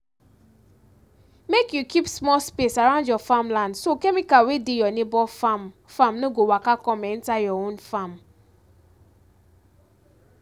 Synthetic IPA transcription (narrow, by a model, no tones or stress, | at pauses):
mekjukipsmɔlspesaɹãʊ̃ndjɔfãmlãndsokɛmikawedejɔnebɔfam | fãmnoɡowakakɔ̃mɛɛ̃ntajɔõnfãm